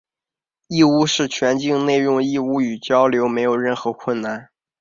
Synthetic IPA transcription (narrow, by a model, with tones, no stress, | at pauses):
i˥˧u˥˧ʂɻ̩˥˩t͡ɕʰɥɛ˧˥nt͡ɕi˥˧ŋne˥˧ɪjʊ˥˧ŋi˥˧u˥˩y˨˩t͡ɕjɑ˥ʊljo˧˥ʊme˧˥ɪjo˨˩ʊɻə˥˩nxɤ˧˥kʰwə˥˩˧nna˥˩n